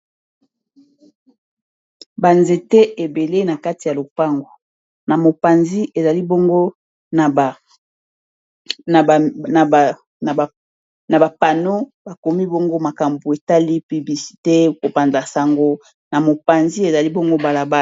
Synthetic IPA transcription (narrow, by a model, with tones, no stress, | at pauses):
ba˨nze˨te˦ʔe˨be˨le˦na˨ka˦ti˨ja˨lo˨pa˦ŋɡo˨ | na˨mo˨pa˨nzi˦ʔe˨za˨li˦bo˦ŋɡo˦ | na˨ | na˨ba˨pa˨no˦ba˨ko˨mi˦bo˦ŋɡo˦ma˨ka˨mbu˨e˨ta˦li˦pi˨bli˨si̥˨te˦ko˨pa˨nza˨sa˨ŋɡo˦ | na˨mo˨pa˨nzi˦e˨za˨li˦bo˦ŋɡo˦ba˨la˨ba˦